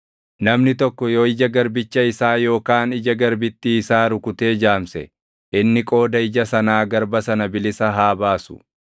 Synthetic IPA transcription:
nɐmnɪt̪ɔkːɔjoːɪd͡ʒɐɡɐɾbɪt͡ʃːɐɪsaːjo̞ːkaːnɪd͡ʒɐɡɐɾbɪt̪ːɪːsaːɾʊkʊt̪eːd͡ʒaːmsɛ̰ | ʔɪnːɪkʼo̞ːd̪ɐɪd͡ʒɐsɐnaːɡɐɾbɐsɐnɐbɪlɪsɐɦaːbaːsʊ̥̰

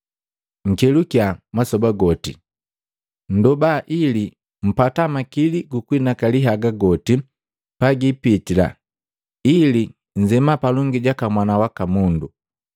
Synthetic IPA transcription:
ŋ̩kɛlukjamasɔbaɡɔtḭ | n̩dɔbaʔili | m̩patamakiliɡukwinakaliɦaɡaɡɔti | paɡipitila̰ | ili | ɲd͡ʒɛmapalɔŋɡiɟakamwanawakamundu

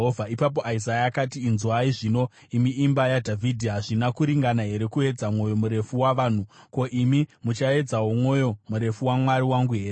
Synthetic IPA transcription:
ovʱaipap̬oʔaizajaːkatiːnzuaiʐino̞ | imiːmbajadʱavʱidʱiɦaʐinakuɾiŋɡanaɦe̞ɾe̞kue̞d͡zamŋo̞jo̞muɾe̞fuwaʋaːn̤uko̞ʔimimut͡ʃae̞d͡zaɦomwo̞jo̞muɾe̞fuwamwaɾiwaŋɡuɦeːɾe

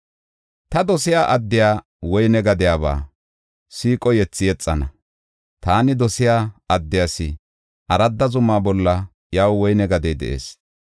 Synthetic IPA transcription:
t̪ɐd̪ɔsɪjaːʔɐd̪ːɪjaː | wɔjnɛɡɐd̪ɪjaːβa̰ː | siːkʼɔjɛt͡sːɪjɛt͡sʼːɐnɐ | t̪aːnɪd̪ɔsɪjaːɐd̪ːɪjaːsɪ | ʔɐɾɐd̪ːɐzʊmːaːbɔlːɐ | jaːwwɔjnɛɡɐd̪ɛjd̪ɛ̰ʔḛːs

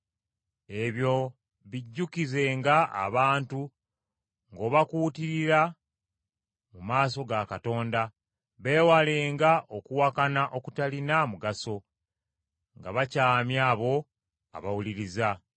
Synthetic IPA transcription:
e̞βjo̞ | βiɟːukize̞ːŋɡaa̰βaːntu | ŋɡo̞ːβakuːtiɾiɾa | mumaːs̬o̞ɡakato̞ːnda | βe̞ːwaleːŋɡaʔo̞kuwakanaʔo̞kutalinamuɡaso̞ | ŋɡa̰βacaːmjaːβo̞ | a̰βawuliɾiza

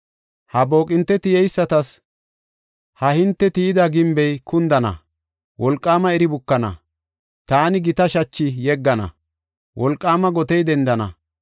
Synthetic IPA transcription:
hɐbo̞ːkʼɪnt̪ːɛt̪ɪjɛjsːɐt̪ɐs | hɐhɪnt̪ːɛt̪ɪjɪd̪ɐɡɪmbɛjkʊnd̪ɐnɐ̰ | wʔɔlkʼːaːmɐɛɾɪbʊkːɐnɐ̰ | t̪aːnɪɡɪt̪ɐʃɐt͡ʃːɪjɛɡːɐnɐ̰ | wʔɔlkʼːaːmɐɡɔt̪ɛjd̪ɛnd̪ɐnɐ̰

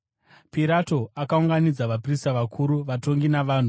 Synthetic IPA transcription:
piɾato̞akauŋɡanid͡zaʋapristaʋakʰuɾuʋato̞ŋɡinaʋaːn̤u

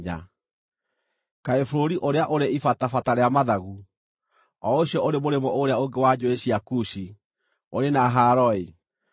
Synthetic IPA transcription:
ɲa̰ | kaefoɾoɾiʔoɾeaʔoɾeifatafataɾeamaðaɣu | ɔoɕiɔʔoɾemoɾemɔoɾeaoŋɡewad͡ʑoeɕiakuɕi | oɾenaɦaɾɔi

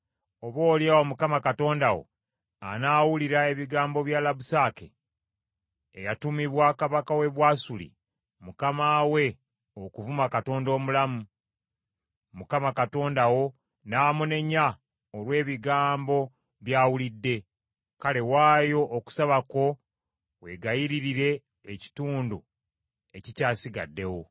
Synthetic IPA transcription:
o̞βo̞ːljaomukamakato̞ːndawo̞̰ | a̰naːwuliɾae̞βiɡaːmbo̞βjalabusaːkḛ | jatumiβwaːkaβakawe̞βwaːsulḭ | mukamaːwe̞ | okuvumakato̞ːndo̞ːmulamu | mukamakato̞ːndawo̞ | naːmune̞ɲːa | olwe̞ːβiɡaːmbo̞ | βjaːwulidːe̞ | kale̞waːjo̞ʔoku̥saβako̞ | we̞ɡajiɾiɾiɾe̞ː | ci̥tuːndu | e̞cicaːsiɡa̰dːe̞wo̞

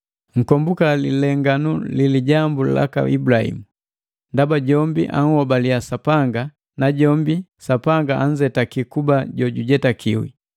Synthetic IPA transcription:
ŋ̩kɔmbukalilɛŋɡanuliliɟambula̰ka̰ʔibulahḭmu | ndabaɟɔmbiʔa̰ŋ̩hɔbaliasapaŋɡa | naɟɔmbisapaŋɡaʔaɲd͡ʒɛtakikubaɟɔɟuɟɛtakiwḭ

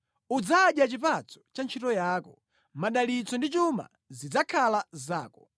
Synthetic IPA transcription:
ud͡zaːɗjat͡ʃipat͡sɔ̥t͡ʃant͡ʃʰitɔjaːkɔ | maɗalit͡sɔndit͡ʃuma̰ | zid͡zakʰalazaːkɔ

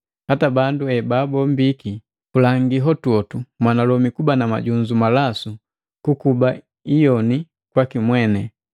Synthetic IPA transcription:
hatabanduɛbaːbɔm̩biki | kulaŋɡiɦɔtuɔtumwanalɔmikubanama̰ɟuɲd͡ʒumalasu | kukuba | ijɔni | kwakimwɛnɛ

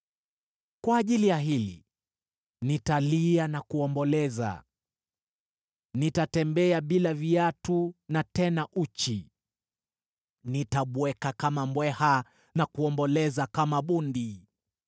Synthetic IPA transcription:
kwaːʄilijaɦilḭ | nitalianakuɔmbɔlɛza̰ | nitatɛmbɛaɓilaviatunatɛnaʔut͡ʃi | nitaɓwɛkakamamwɛha | nakuɔmbɔlɛzakamaɓundi

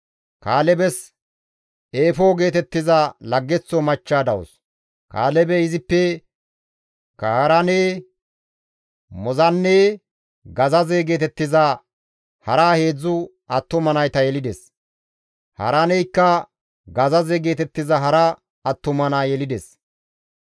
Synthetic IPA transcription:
kaːlɛbɛs | eːfoːɡe̞ːt̪ɛt̪ːɪzɐlɐɡːɛt͡sːɔmɐt͡ʃːaːd̪ɐwɔ̰s | ka̰ːlɛbɛɪzɪpːɛ | kɐhɐɾɐneː | mɔzɐnːe | ɡɐzɐzeɡe̞ːt̪ɛt̪ːɪzɐ | hɐɾaːhe̞ːd͡zːʊ | ɐt̪ːʊmɐnɐjt̪ɐjɛlɪd̪ɛs | hɐ̰ɾɐnɛjkːɐ | ɡɐzɐzɛɡe̞ːt̪ɛt̪ːɪzɐɦɐɾɐ | ɐt̪ːʊmɐnaːjɛlɪd̪ɛs

